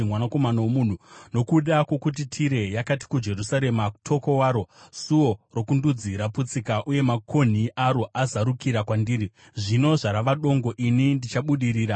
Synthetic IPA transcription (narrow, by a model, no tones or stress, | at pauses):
mwanako̞manawomun̤uno̞kuɗakwo̞kut̬itʰiɾe̞jakat̬i̥kud͡ʒe̞rusaɾe̞mau̥tʰo̞ko̞waːɾo̞suo̞ro̞kundud͡ziɾaput͡sikaʔuje̞makʰo̞n̤iʔaɾo̞ʔazaɾukiɾakwandiːri | ʐino̞ʐaɾaʋaɗo̞ŋɡo̞ʔinindit͡ʃaɓuɗiriːɾa